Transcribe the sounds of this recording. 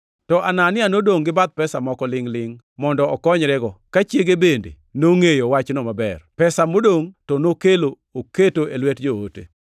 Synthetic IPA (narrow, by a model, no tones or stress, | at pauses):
tɔʔananɪanodoŋɡɪbad̪̚pɛsamɔkɔlɪŋlɪŋ | mɔndɔɔkɔɲɾɛɡɔkat͡ʃjeɡebendḛ | noŋejowat͡ʃnomabɛ̰rpɛsamodoŋtɔnokelo | oketoʔelwɛtd͡ʒoo̰tḛ